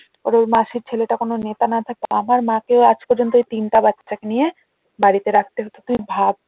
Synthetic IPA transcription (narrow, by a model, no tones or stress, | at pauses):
pɔ̰ɾoɾmaʃiɾt͡ɕʰeleʈakononet̪anat̪ʰak̚eaamaɾmãkeoad͡ʑpɔɾd͡ʑont̪oejt̪inʈabatːʃakenije | baɾit̪eɾak̚ʰt̪eɦɔt̪ot̪ujbʱab̚